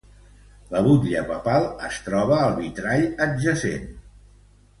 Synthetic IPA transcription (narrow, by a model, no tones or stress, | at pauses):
ləβut̪ʎəpəpalˠəst̪ɾɔβ̞əːlˠβit̪ɾaʎədʒəsḛn